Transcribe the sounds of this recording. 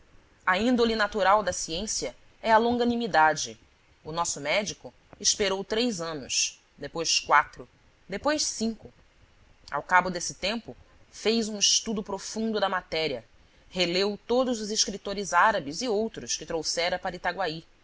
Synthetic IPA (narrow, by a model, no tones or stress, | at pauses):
ɐĩnd̪olinat̪uɾawd̪ɐsiẽsiɐ | ɛɐlõŋɡɐnimid̪ad͡ʒɪ | ʊnɔsʊmɛd͡ʒikʊ | iʃpeɾowt̪ɾejzɐ̃nʊ̰s | d̪epojskwat̪ɾʊ | d̪epojʃsĩŋkʊ | a̰wkabʊd̪esɪ̥t̪ẽmpʊ | fejzũiʃt̪ud̪ʊpɾofũnd̪ʊd̪ɐmat̪ɛɾiɐ | helewt̪od̪ʊzʊziʃkɾit̪oɾɪzaɾɐbɪziowt̪ɾʊskɪt̪ɾowsɛɾɐpaɾɐit̪aɡwai